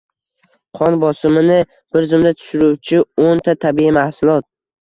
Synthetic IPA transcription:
qʰɒnbɒsɪmɪnɪ | b̥ɪɾzɪmd̪at̪ʰʊ̥ʃɪɾuwt͡ʃʰɪont̪ʰat̪ʰabiimahsʊlˠɒt̪̚

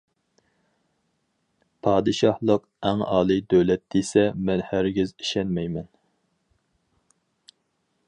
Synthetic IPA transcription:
pʰɑːd̪ɨʃɑhlˠəq | æŋɑ̰ːlˠɨd̪øwlɛt̪̚d̪esɛmɛnhæɾɡʲɪzi̥ʃɛnmɛjmɛn

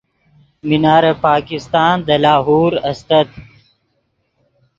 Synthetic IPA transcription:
minaːɾepaːkist̪aːnd̪ɐlaːɦuːɾɐst̪ɐt̪̚

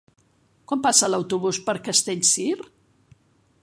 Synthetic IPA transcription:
kwampasələwt̪uβuspəɾkəst̪eʎʲsir

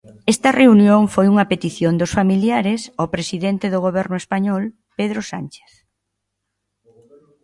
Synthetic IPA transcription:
ɛst̪ɐreunjoŋfojuŋɐpet̪iθjond̪ʊsfamiljaɾesopɾesiðent̪eðʊɣ̞oβɛɾnʊespaɲɔl | peðɾosant͡ʃe̥θ

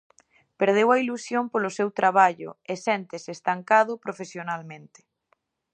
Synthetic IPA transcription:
peɾð̞ewɐilusjompolʊsewt̪ɾaβ̞aʎʊ̰esɛnt̪esɪːst̪aŋkaðʊpɾofesjonalmẽnt̪ɪ̥

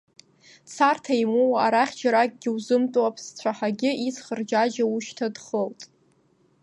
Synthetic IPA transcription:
t͡sʰartʰaimowaaɾaχʲd͡ʒaɾakʼɡʲɪwzɨmtʼwapʰst͡ɕʷʰaħaɡʲɪit͡sχərd͡ʒad͡ʒauʃtʰadχəltʼ

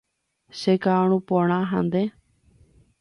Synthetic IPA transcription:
sekaɳ̃ũpõɳ̃ãɦã̰nd̪e

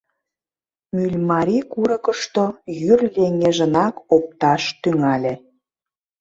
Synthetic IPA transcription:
mylʲmɑɾʲikuɾə̆kəʃt̪ojyrleŋeʒə̆nɑkop̚t̪ɑʃt̪yŋɑlʲe

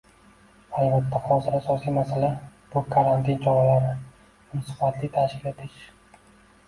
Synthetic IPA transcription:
ajvat̪ːahɒzɪɾasɒsijmasalab̥ʊkʰaɾant̪ʰint͡ʃʰɒɾalaɾɪ | ʊnsʊ̥fat̪ʰlit̪ʰaʃkʲɪlet̪ʰɪʃʲ

